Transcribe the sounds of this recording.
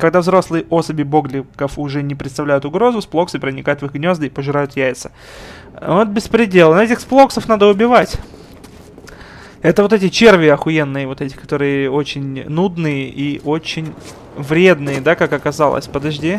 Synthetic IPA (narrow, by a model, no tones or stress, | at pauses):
kɐɡd̪avzɾo̞slˠɨjəʔo̞səbʲɪbo̞ɡlʲɪkəfʊʐɛnʲɪpɾʲɪt̪t̪ɐvlʲæjʊt̪ʊɡɾo̞zʊsplˠo̞ksɨpɾənʲɪkajʊt̪vɨxɡnʲo̞zd̪ɨipəʐɨɾajʊt̪jæjɪt̪sə̥ | vot̪̚bʲɪspɾʲɪdʲe̞lˠənɛtʲɪxsplˠoksəfnad̪əʊbʲɪvatʲ | ɛt̪əvot̪ɛtʲɪt͡ɕe̞rvʲɪəɐxʊjenːɨjəvo̞t̪ɛtʲɪ̥kɐ̥t̪o̞ɾɨjəo̞t͡ɕɪnʲnud̪nɨjəʔiʔot͡ɕɪnʲ | vɾʲe̞d̪nɨjəd̪akakɐkɐzɑlˠə̰sʲpəd̪ɐʐdʲi